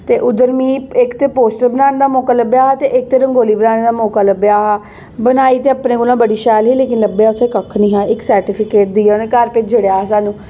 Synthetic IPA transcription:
t̪eːʔʊd̪əɾmĩːɪkt̪eːpoːsʈəɾbənaːned̪aːmɔːkaːləbjaːɦat̪eːʔɪk̚t̪eːɾəŋɡoːliːbənaːneːd̪aːmɔːkaːləbejaːɦa | bənaːiːt̪eːapnẽːɡolãːbəɽiːʃɛːlɦiːleːkɪnləbːjaːʊt̪ʰːẽkəkʰːniːɦãːɪksəɾʈiːpʰɪkeːʈ̚d̪iːneːkəɾpɪd͡ʒəɽjaːsaːnũː

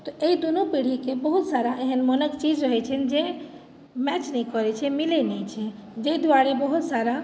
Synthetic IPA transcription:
t̪ɔʔed̪unupiɽ̤ikebəɦʊt̪saːɾaʔeɦənmənəkt͡ʃiːd͡ʒɾəɦɛt͡ʃʰənd͡ʒe | mɛːt͡ʃnəikɔɾet͡ʃʰemilenet͡ʃʰed͡ʒed̪ʋaːɾebəɦʊt̪saːɾa

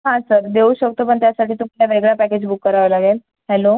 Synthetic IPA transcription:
ɦãsəɾd̪euɕək̚t̪opəɳt̪jasaʈʰiːt̪uljaʋeɡɭapæked͡ʑbukːəɾaʋlaɡel | hɛlo

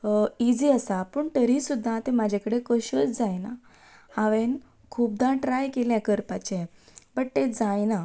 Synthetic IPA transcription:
id͡ziəsapəɳt̪əɾisud̪ʱːat̪emad͡ʑʱekəɽekəɕət͡sd͡zajna | hãʋen | kʰuːb̚d̪ãʈɾajkeljãkəɾpat͡ɕe | bəʈ̚t̪ed͡zajna

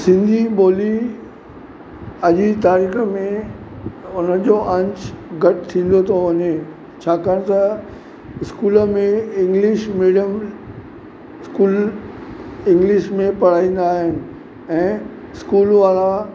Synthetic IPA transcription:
sɪ̃nd̪ʱiɓoːli | ɐʄit̪aːɾiːxəmẽ | ʊnəd͡ʑoʔɐ̃ɲt͡ɕɡʱɐʈʰt̪ʰĩːn̆d̪ot̪ʰoʋɐɲe | t͡ɕʰaːkaɽ̃t̪ɐ | ɪskuːləmẽɪ̃ŋɡlɪʃmiːɽiəm | ɪskuːl | ɪ̃ŋɡlɪʃmẽpɐɽ̤aːĩːn̆d̪aːɦɪnɪ̆ | ɛ̃ː | ɪskuːlʋaːla

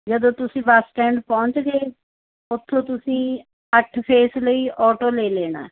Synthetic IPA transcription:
d͡ʒəd̪õːt̪ʊsĩːbəsʈɛːɳɖpɔ̃ːɲt͡ʃɡeː | ʊt̪ʰːõːt̪ʊsĩː | əʈʰpʰeːsləiːʔɔːʈoːleːleːɽa̰ː

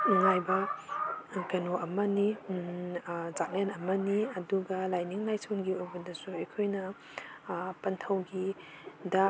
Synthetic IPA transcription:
ŋajbɐ | kɐnoʔɐmɐni | zak̚nenɐmɐniɐduɡɐlajniŋlajsʰonɡiojbɐdɐsuɐjkʰojnɐ | pɐntʰɐwɡi | dɐ

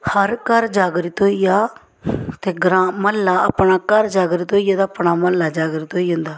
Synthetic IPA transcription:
həɾkəɾd͡ʒaːɡɾit̪oːijaː | t̪eːɡɾaːməlːaːəpɳaːkəɾd͡ʒaːɡɾit̪oːijaːt̪ːəpɳaːməlːaːd͡ʒaːɡɾit̪oːiːɦʊ̃nd̪aː

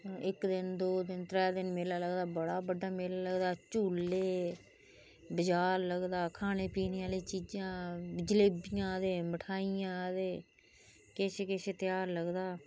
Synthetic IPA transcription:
ɪkd̪ɪnd̪oːd̪ɪnt̪ɾɛːd̪ɪnmeːlaːləɡd̪aːbəɽaːbəɖaːmeːlaːləɡd̪aːt͡ʃuːleː | bəd͡ʒaːɾləɡd̪aːkʰaːñeːpiːneːaːliːt͡ʃiːd͡ʒãːd͡ʒleːbɪjãːd̪eːməʈʰaːijãːd̪eː | kɪseːkɪseːt̪ɪjaːɾləɡd̪aː

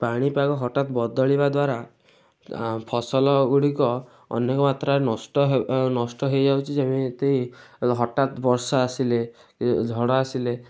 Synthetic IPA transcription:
paɽ̃ipakɔɦɔʈat̪bɔd̪ɔɭibad̪waɾa | pʰɔsɔlɔɡuɽikɔ | ɔ̰nekɔmat̪ɾaɾnɔsʈɔɦnɔsʈɔɦejd͡ʒawt͡ʃʰid͡ʒemet̪eiɦɔʈat̪bɔɾsɔasile | d͡ʒʱɔɽɔasile

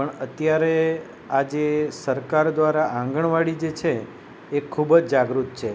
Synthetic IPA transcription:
pəɳət̪jaɾe | ad͡ʒesəɾkaɾd̪ʋaɾaʔãŋɡəɳʋaɽid͡ʒet͡ʃʰeː | kʰubd͡ʒd͡ʒaɡɾut̪̚t͡ʃʰe

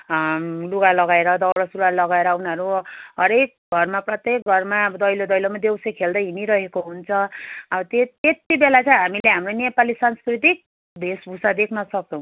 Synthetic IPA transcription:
luɡalʌɡaeɾʌd̪ʌwɽʌsuɾalʌɡaeɾʌunʌɾuɦʌɾek̚ɡʱʌrmaprʌt̪jek̚ɡʱʌrmaʌbʌd̪ʌjlod̪ʌjlomad̪ewsʌkʰeld̪ʌjɦiniɾʌɦekoɦunt͡sʰʌʌbʌt̪eet̪ibelat͡sʌjɦamileɦamronepalisanskrit̪̬ik̚ | d̪ʱesbʱusad̪ekʰnʌsʌk̚t͡sʰʌ̃w̃

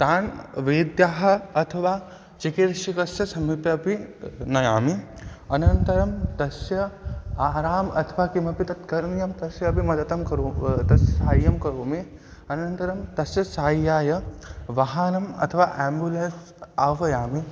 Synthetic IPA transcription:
t̪aːnʋeːd̪jaːɦɐ̆ɐt̪ʰɐʋaː | t͡ʃikiɾʃikɐsjɐsɐmipjɐɐpinɐjaːmi | ɐnɐnt̪ɐɾɐmt̪ɐsjɐaːɾaːmɐ̰t̪ʰɐʋaːkimɐpit̪ɐt̪kɐɾnjɐmt̪ɐsjɐːpimɐd̪ɐt̪ɐmkɐɾoːt̪ɐaːjjɐmkɐɾoːmi | ɐnɐnt̪ɐɾɐmt̪ɐsjɐsaːjaːjɐʋɐɦaːnɐmɐ̰t̪ʰɐʋaːʔɛːmbjulɐns | aːʋɐjaːmi

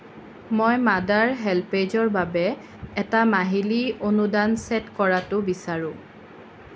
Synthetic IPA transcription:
mojmadaɹɦɛlped͡ʒɔɹbabɛ | ɛtamaɦilionudansɛtkɔɹatʊbisaɹʊ̃

